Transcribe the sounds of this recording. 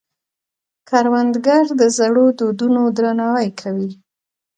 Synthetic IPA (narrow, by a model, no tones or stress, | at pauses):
kʰɑɾwand̪ɡaɾd̪əzaɽod̪od̪unod̪ɾanɑwajkʰawi